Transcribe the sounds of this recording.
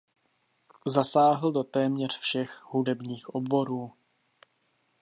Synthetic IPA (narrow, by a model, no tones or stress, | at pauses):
zasaːɦl̩dot̪ɛːmɲɛr̝̥fʃɛxhudɛbɲiːxʔo̞bo̞ɾuː